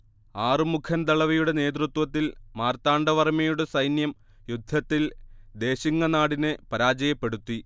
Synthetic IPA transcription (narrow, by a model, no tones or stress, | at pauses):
aːrɨmukʰɐnt̪ɐɭɐʋɐjuɽe̞ne̞ːt̪̬rut̪wɐt̪ːilmaːrt̪aːɳɖɐʋɐrmɐjuɽe̞sɐjnjɐm | jud̪ʱːɐt̪ːild̪e̞ːɕiŋːɐnaːɽinɨpɐɾaːd͡ʑɐjɐpːe̞ɽut̪ːi